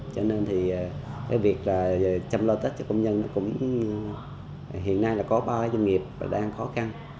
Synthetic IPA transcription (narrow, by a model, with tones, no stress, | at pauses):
t͡ɕɔ˧ne˧nt̪ʰiː˨˩˨kaː˨˦jvi˨˩ək̚laː˨˩t͡ɕə˧mlo˧t̪i˦˥t̚t͡ɕɔ˧˩kə˧wŋ͡mɲə˧nnːɔ˨˦kʊ̰˧˥ŋ͡m | ɦḭ˧˨ənːa˧jlaː˨˩kɔ˨˦ɓaː˧kaː˨˦jzwə˧ŋi˨˩əp̚va̰ː˨˩ɗaː˧ŋxɔ˨˦xa˧n